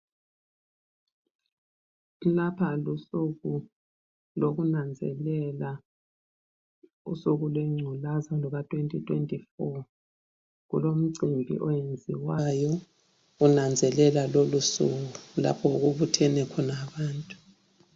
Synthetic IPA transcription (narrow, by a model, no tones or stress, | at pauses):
lapʰalusuɣu | loɣunand͡zʱɛ̰lɛla | ṵsuɣulwɛŋ͡ǀʱulazalɔɣatʰwentʼitʰwentʼifɔ | ɣṵlom̩ǀimbʱḭʔɔjend͡zʱiwajɔ | unand͡zʱɛlɛlalolusuɣula̰pʰɔɣuβutʰɛnɛkʰɔnaβaːntʼu̥